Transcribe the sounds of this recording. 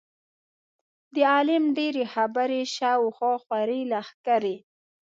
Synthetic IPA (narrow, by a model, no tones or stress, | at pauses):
d̪əɑlɪmɖeɾexabaɾeʃawxɑxwaɾilaxkaɾe